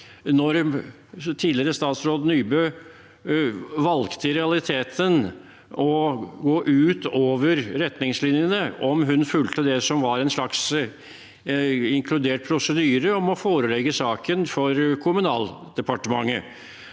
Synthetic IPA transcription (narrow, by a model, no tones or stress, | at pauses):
nɔɾ | t̪ʰiːd̪lɪɾəst̪ɑːt̪sɾoːd̪nyːbø | ʋɑlkt̪ʰəɾɛɑlɪt̪ʰeːt̪ʰən | ɔɡoːʔʉːt̪oːʋəɾɾɛt̪nɪŋslɪnjənəɔmɦʉnfʉlt̪əd̪ɛsɔmʋɑɾɛnʂɭɑks | ɪŋkʰlʉd̪eːʈ̚pʰɾʊsəd̪yːɾəɔmɔfoːɾəlɛɡəsɑːkənfɔɾkʰʊmʉnɑ̰ːld̪̥ɛpɑʈəmɑ̰ŋːə